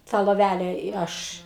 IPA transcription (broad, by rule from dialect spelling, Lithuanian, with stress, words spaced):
ˈtɑː lˠoːˈʋʲælʲɛ ɪ ˈɐʃ